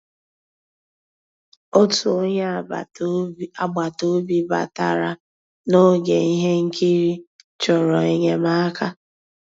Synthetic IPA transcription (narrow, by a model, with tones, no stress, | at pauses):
o˦tu˨o˦ɲ˦ | a˨ɡ͡ba˨to˦bi˦ba̰˨ta̰˨ɾa˨ | no˦ɡḛ˨i˦ɦe˦ŋ̩˦kʰi˦ɾi˦ | t͡ʃɔ˨ɾɔ˨i˦ɲe˦ma˦a˦ka˦